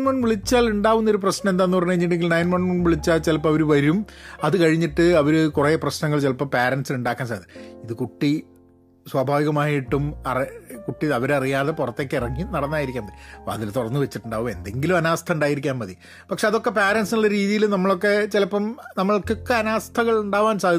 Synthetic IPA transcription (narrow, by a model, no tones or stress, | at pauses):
nmɐɳʋiɭit͡ɕːaːluɳɖaːʋunːɐo̞ɾuprɐɕnɐ̃mend̪aːenːupɐrɐɲːukɐɲːiʈ̬ːe̞ŋɡilnɐjnmɐɳɳʋiɭit͡ɕːaːlt͡ɕelɐp̬ːɐmɐʋɐɾuʋɐɾumɐðɨkɐɻiɲːiʈːɨɐʋɐɾukureːprɐɕnɐŋːɐɭt͡ɕelɐpːɐmpeːɾɐnsiluɳɖaːkːaːnsɐɐðɨiðɨkuʈːi | swɐbʱaːʋiɣɐmaːjiʈːumɐrikuʈːiɐʋɐɾɐrijaːðepurɐt̪ːeːkːeirɐŋːinɐɽɐnːaːjiɾikʲːaːmbɐðiɐpɐðilt̪uɽɐrnːɨʋet͡ɕːiʈːuɳɖaːʋume̞̰nd̪e̞ŋɡilumɐnaːst̪ʰɐuɳɖaːjiɾikʲːaːmmɐði | pɐkʂe̞ɐðo̞kːe̞peːɾɐnsiɭːɐɾiːðijilunɐmːɐɭo̞kːe̞t͡ɕelɐpːɐmnɐmːɐɭkːokːeɐnaːst̪ʰɐɣɐɭuɳɖaːʋaːnsaːd̪ʱi